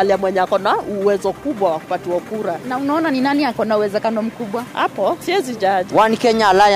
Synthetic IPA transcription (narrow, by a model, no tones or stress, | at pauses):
aliamwɛɲɛakɔnauwɛzɔkuɓwawaku̥patuakuɾanaunaɔnaninaniakɔnauwɛzɛkanɔm̩kuɓwaha̰pɔsiɛzid͡ʒaʄwanikɛɲaːlaj